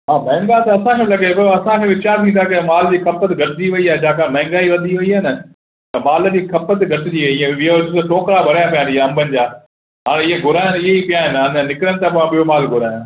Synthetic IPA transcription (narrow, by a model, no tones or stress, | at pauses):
ɦaːmɛ̃ːŋɡat̪ɐɐsãkʰẽlɐɠepɐoɐsãkʰẽʋɪt͡ɕaːɾnĩnt̪̬ʰakemaːld͡ʑiːkʰɐpət̪ɡʱɐʈɪd͡ʑiʋɐiaːɦed͡ʑãːkãmɛ̃ːŋɡaːiʋɐd̪ʱiɐiaːɦnɐ | t̪ɐmaːld͡ʑiːkʰɐpət̪ɡʱɐʈɪd͡ʑiʋɐiɪẽʋɪɦod͡ʑt̪oʈoːkɾabʱɐɾajapijãnd̪iaɐ̃mbʱənɪ̆d͡ʑaː | ɦaːɽ̃eɪɦeɡʱʊɾaːjə̃nɪɦeipijaɦɪnɦaːnənɪkɾəñ̆t̪ãpɐãɓɪomaːlɡʱʊɾaːjã